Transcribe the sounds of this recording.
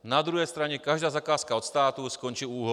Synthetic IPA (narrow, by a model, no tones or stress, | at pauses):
nad̪ɾuɦɛjst̪ɾaɲɛkaʒd̪aːzakaːskaɔt̪st̪aːt̪uskɔɲt͡ʃiːuːɦɔ